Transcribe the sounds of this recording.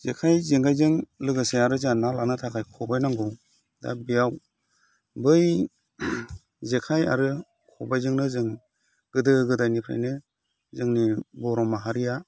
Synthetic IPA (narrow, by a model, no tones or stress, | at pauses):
zekʰajzeŋɡajzɯŋlɯɡɯseaɾɯzanalanɯtʰakʰajkʰɔbajnaŋɡɯw | da̰bijaw | bɯj | zekʰaja̰ɾɯ | kʰɔbajzɯŋnɯzɯŋ | ɡ̥ɯdɯɡɯdajnipʰɾa̰jnɯ | zɯŋnibɔɾɔmaɦaɾija